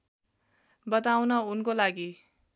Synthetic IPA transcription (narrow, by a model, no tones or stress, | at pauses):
bʌt̪awnʌunkolaɡi